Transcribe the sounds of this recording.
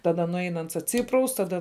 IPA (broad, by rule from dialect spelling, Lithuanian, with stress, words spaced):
tɐˈdɐ nʊˈɛɪn ˈɐns ɐtʲˈsʲiːprɐʊs tɐˈdɐ